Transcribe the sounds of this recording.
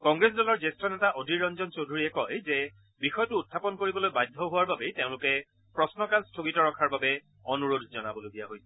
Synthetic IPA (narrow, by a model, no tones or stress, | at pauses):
kɔŋɡɹes̬dɔlɔɹzestɹɔnɛtaʔodʱiɹɔnzɔnt͡ʃodʱuɹiɛkɔjzɛ | bixɔjɔtʊːtʰːapɔnkoɹibɔlojbajdʱːɔɦʊwaɹbabɛteʊ̃lʊkɛ | pɹɔsnɔkalstʰoɡitɔɹɔkʰaɹbabɛ | ɔnuɹodʱzɔnabɔlojdijaɦojsʰɛ